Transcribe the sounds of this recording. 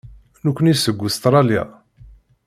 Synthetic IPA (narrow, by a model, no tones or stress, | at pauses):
nukʷːənisəɡʷːust̪ɾˤɑlja̰